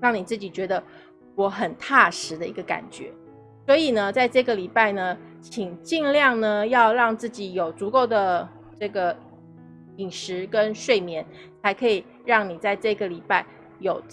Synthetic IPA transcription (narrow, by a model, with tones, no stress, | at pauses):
ɻɑ˥˩ŋni˨˩t͡sɹ̩˥˩t͡ɕi˨˩t͡ɕɥɛ˧˥d̪ə˧ | wɔ˧˥xə˨˩nt̪ʰa˥˩ʂɻ̩˧˥d̪ə˧i˧˥ɡə˧ka̰˨˩nt͡ɕɥɛ̰˧˥˦ | swɔ˧˥i˨˩nə˩t͡sa˥˧ɪʈ͡ʂɤ˥˩ɡə˩li˨˩pa˥˩ɪnə˩ | t͡ɕʰi˨˩ŋt͡ɕi˥˧ŋljɑ˥˩ŋnə˩jɑ˥˧ʊɻɑ˥˧ŋt͡sɹ̩˥˩t͡ɕi˨˩jo˨˩ʊt͡su˧˥ko˥˩ʊd̪ə˩ | ʈ͡ʂɤ˥˩ɡə˩ | i˨˩ŋʂɻ̩˧˥kə˥nʂwe˥˩ɪmjɛ˧˥n | t͡sʰa˧˥ɪkʰɤ˧˥i˨˩ | ɻɑ˥˩ŋni˨˩t͡sa˥˧ɪʈ͡ʂɤ˥˩ɡə˩li˨˩pa˥˩ɪ | jo˨˩ʊ